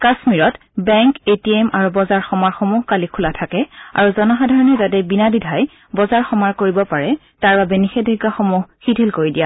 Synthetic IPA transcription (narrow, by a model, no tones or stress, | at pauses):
kasmiɹɔt | bɛŋketiemʔaɹubɔzaɹxɔmaɹxomuɦkalikʰulatʰakɛa̰ɹuzɔnɔxadʱaɹɔnɛtatɛbinabidʱaj | bɔzaɹxɔmaɹkoɹibɔpaɹɛ | taɹbabɛnixedʱeɡaxomuɦxidʱilkoɹidija